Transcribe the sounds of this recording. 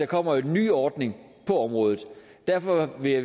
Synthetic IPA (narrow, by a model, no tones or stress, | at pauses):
ɑ̈kʰɒ̽m̰ɐoe̝nːy̰ːɒːd̥ne̝ŋ | pʰɒ̽ɒ̽mʁɔ̽ːð̞ˠð̩ˠ | d̥æɐfɒ̽ʋe̝jɑ̈ɪ